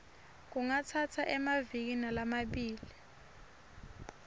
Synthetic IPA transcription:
k̬uŋatʰatʰaʔɛmavik̬inalamaɓiːli

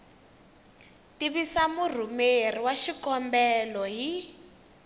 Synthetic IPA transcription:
tiβisamur̤umeriwaʃikɔmbɛlɔɦi

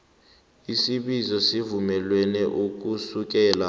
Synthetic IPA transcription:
isiɓizɔsivumɛlwɛnɛʔuk̬usuk̬ɛːla

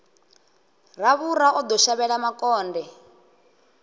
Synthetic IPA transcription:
raβuɾaʔɔd̪ɔʃaβɛɺamakɔːndɛ

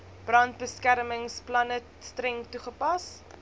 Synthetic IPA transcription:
b̥rɐntbəskæɾməŋsplɐnə | strɛŋtuχəpɐs

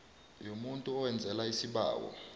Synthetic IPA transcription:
jomuntʼuɔwɛnd͡zʱɛlaisiɓa̰ːwɔ̰

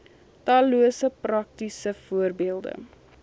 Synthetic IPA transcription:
tɑːluəsəprɐk̚tisəfuərbiəlˠdə̰

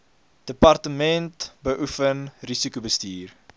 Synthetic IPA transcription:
d̥əpɐrtəmɛntbəʔufənrisikubəstiːr

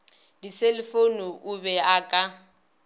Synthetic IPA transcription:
diselɪfonuʔubɛakʼa

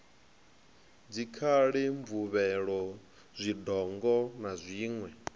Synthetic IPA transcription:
d͡zikʰaɺiɱvuβɛɺɔ | zʷidɔŋɡɔnazʷiːŋwɛ

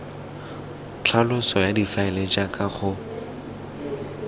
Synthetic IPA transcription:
t͡ɬʰalʊsɔjadifaɪlet͡ʃʼakʼaχʊ

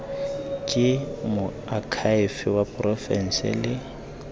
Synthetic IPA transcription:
kʼɪmʊ | akʰaɪfɪwapʼrɔfɛn̩sɪ̰lɪ

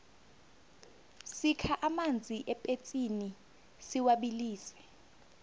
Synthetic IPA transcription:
sikʰaʔamand͡zʱiʔɛpʼet͡sʼini | siwaɓiliːsɛ̥

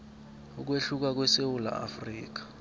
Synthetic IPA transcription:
uk̬weɬuk̬ak̬wɛsewula̰a̰friːk̬ḁ

